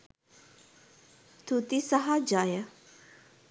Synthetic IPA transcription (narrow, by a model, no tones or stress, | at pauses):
t̪ʰut̪isaɦad͡ʒaːjə